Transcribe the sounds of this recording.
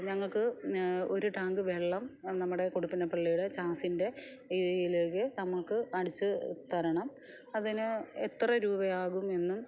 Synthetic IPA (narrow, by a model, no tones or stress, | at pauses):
ɲɐŋːɐɭkɨo̞ɾuʈaːŋɡɨʋe̞ɭːɐmnɐmːuɽe̞koɽupːinɐpɐɭːijuɽet͡ɕaːsinde̞ | iðɐjileɻkenɐmːɐɭkɨɐɽit͡ɕːɨt̪ɐɾɐɳɐm | ɐðinɨet̪rɐɾuːbɐjaːɣume̞nːum